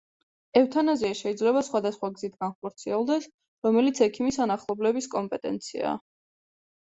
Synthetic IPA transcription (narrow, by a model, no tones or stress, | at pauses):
ɛft̪ʰanaziaʃɛid̪zlɛβasχwad̪asχwaɡzit̪ʰɡanχɔɾt̪sʰiɛlˠd̪ɛs | ɾɔmɛlit̪sʰɛkʰimisanaχlˠɔblɛbiskʼɔmpʼɛt̪ʼɛ̰nt̪sʰḭa̰